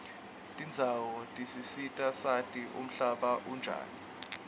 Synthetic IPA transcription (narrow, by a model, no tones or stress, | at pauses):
tʼind͡zʱawɔtʼisisitʼasatʼiʔṵm̩ɬaɓaʔund͡ʒʱa̰ːni